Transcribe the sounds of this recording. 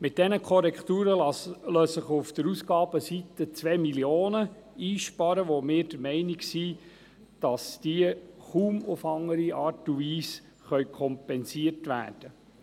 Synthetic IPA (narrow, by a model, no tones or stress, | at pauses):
mɪt̚d̥ɛnəkʰɔɾɛkt̪uːɾəløːsəχʊfd̥̪əɾusɡɑːb̥əsit̪ət͡sʋɛːmiljoːnə | iːʃpɑɾəʋomɪːɾd̥əɾmɛɪnɪksi | d̥ɑsd̥iəχuːmʊfɑŋːəɾiʔɑːɾtuviːs | χœʏkʰɔmpɛnsiətʋæ̰ːd̥ə